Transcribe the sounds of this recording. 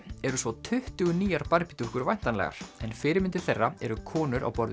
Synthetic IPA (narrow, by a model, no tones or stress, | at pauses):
ɛɾʏsvɔt̪ʰʏht̪ʏɣʏniːjaɾpaɾpit̪uhkʏɾvajn̥t̪anlɛ̰ɣa̰ɾ̥ɛnfɪːɾɪmɪnt̪ɪ̥θɛrːaɛɾʏkʰɔːnʏɾʔa̰wpɔɾð